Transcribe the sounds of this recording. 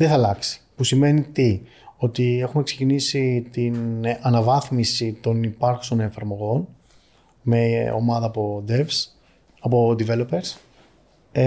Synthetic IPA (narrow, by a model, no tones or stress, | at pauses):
ðeθɐlɐksi̥pusime̞nit̪i | o̞t̪ie̞xume̞kse̞cinisit̪inɐnɐvɐθmisit̪o̞nipɐɾxu̥so̞ne̞ɱfɐɾmo̞ɣo̞n | me̞o̰mɐðɐːpo̞d̪evs | ɐpo̞d̪ive̞lo̞pe̞ɾs